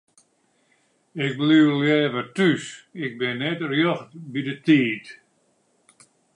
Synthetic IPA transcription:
ɪk̚bliwljɛːvətysɪɡ̚bɪnːɛtrjɔxtbidətiːt

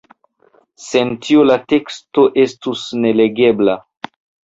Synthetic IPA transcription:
se̞ntiolate̞ksto̞ʔe̞stusne̞le̞ɡe̞bla

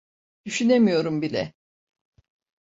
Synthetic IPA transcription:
d̪̥yʃyne̞mijo̞ɾumbilʲɛ̰

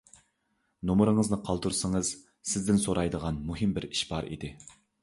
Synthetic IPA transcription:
nomɾɨŋəznɨqʰɑlˠt̪uɾsəŋəz̥ | sɪzd̪ɪnsoɾʔɑjd̪əʁɑnmuɦɨmbɪɾiʃbɑɾḭd̪ɪ

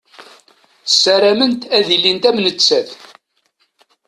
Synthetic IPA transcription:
sːæɾæmənt̪æðilːint̪æmnət͡sːæθ

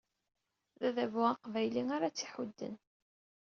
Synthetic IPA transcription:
ðæðævʊaqvæjliŋaɾat͡sːiħud̪ːə̰n

